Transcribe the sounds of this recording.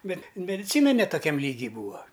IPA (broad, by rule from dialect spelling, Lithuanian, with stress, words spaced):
ˈbʲɛt mʲɛdʲɪˈt͡sʲiːnɐ nʲɛ toːˈkʲɛm ˈlʲiːɡʲiː ˈbuːɐ